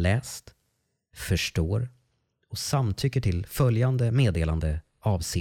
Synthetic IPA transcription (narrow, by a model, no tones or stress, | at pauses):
lɛːst̪ | fœʂʈoːɾ | ɔsamt̪ʰʏkːəʈʰɪlfœljand̪əmeːd̪eːland̪ə | ɑːvseː